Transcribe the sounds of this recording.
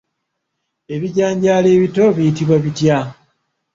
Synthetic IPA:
e̞βiɟaːɲɟaːleːβito̞βijitiβwaβitja

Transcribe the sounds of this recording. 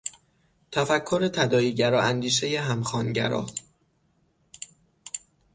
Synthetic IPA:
t̪ʰæfækʰːoɾe̞t̪ʰæd̪ɒːjiːɟæɾɒːænd̪iːʃe̞je̞ɦæmxɒːnɟæ̰ɾɒ̰ː

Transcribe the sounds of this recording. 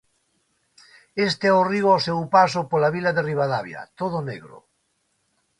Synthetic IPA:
est̪eɛoriwawsewpas̬opolaβilaðeriβaðaβja̰t̪oð̞onḛɣɾo̰

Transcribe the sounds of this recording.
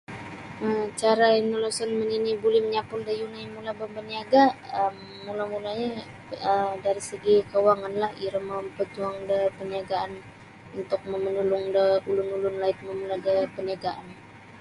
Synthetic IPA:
əmt͡ʃaɾaɛnəlosənməninibulɛhməɲapʊldəjunaimulabəmbəniaɡaəmːulamulaɲə | ədaɾisəɡikəwaŋanlahiɾəməmpət̪uaŋdəpəniaɡaʔan | unt̪ʊk̚məmənulʊŋdəulʊnulʊnlaɪt̪̚məməlaɡəpəniaɡaʔan

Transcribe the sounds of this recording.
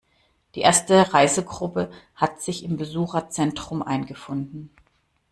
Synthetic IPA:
d̥iːʔeːɐstəʁaɪzəɡʁʊpəhatz̥ɪçɪmbəzuːxɐt͡sɛntʁ̥ʊmʔa̰ɪnɡəfʊndn̩

